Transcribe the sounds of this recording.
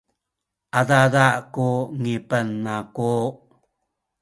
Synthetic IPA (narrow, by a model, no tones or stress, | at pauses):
ʔadadaʔkuŋipənːaku